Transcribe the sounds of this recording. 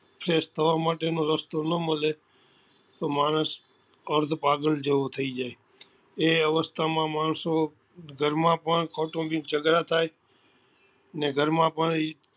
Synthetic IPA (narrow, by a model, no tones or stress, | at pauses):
pʰɾeːst̪əʋaːmãːʈenõɾəst̪onəmɪleː | t̪oːmaːnəs | əɾd̪ʱpaːɡəld͡ʒeːot̪ʰəid͡ʒaːeː | eːəʋəst̪ʰaːmãːmaːɳsõ | ɡʱəɾmãːpəɳ̃kʰɔːʈõbit͡ʃəɡɾat̪ʰaːeː | nɛ̃ːɡʱəɾmãːpəɳ̃ː